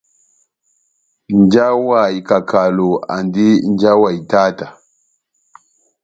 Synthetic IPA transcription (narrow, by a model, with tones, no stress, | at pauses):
nd͡ʒa˦wa˨jka˨kʰa˨lo˨a̰˨ndi˦n˦d͡ʒa˦wa˨jta˦ta˨